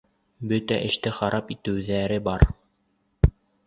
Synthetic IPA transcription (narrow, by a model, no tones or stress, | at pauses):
bɵt̪æ̰ʔɘ̆ʃt̪ɘχɑɾʔɑpit̪ɘ̆wðæɾɘbɑɾ